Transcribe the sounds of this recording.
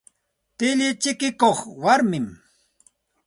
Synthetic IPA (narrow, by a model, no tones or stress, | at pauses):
t̪ɪʎɪt͡ʃɪkɪkoχwaɾmɪm